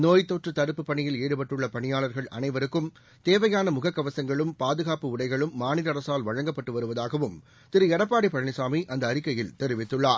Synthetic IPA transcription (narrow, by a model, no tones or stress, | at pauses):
noːjt̪ːoːʈrɯt̪ɐɾɯpːɯpːɐɳɪjɪleːɽɯpɐʈːɯɭːɐpɐɳɪjaːɭɐɾɣɐɭʔɐ̰nɐɪʋɐɾɯkːɯm | t̪eːʋɐjaːnɐmʊɣɐkːɐʋɐsɐŋɡɐɭɯmpaːðɯɣaːpɯʊɽɐɪɣɐɭɯmːaːnɪɾɐɾɐsaːlʋɐɻɐŋɡɐpːɐʈːɯʋɐɾɯʋɐðaːɣɐʋɯm | t̪ɪɾɯɛɽɐpːaːɽipːɐɾɐɐɳɪsaːmiʔɐnd̪ɐːɾɪkːɐjɪlt̪ɛɾɪʋɪt̪ːɯɭːaːɾ